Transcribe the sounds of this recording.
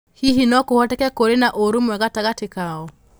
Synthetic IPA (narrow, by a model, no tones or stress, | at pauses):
hiɦinɔkohwɔtɛkɛkoɾenaʔoɾumwɛɣataɣatekaɔ